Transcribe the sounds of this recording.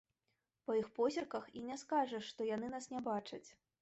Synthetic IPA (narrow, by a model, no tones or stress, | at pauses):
pɐjixpɔzʲɐrkɐxinʲɛskaʐɐʂːt̪ɔjanɨnasnʲɛbat͡ʂɐt͡sʲ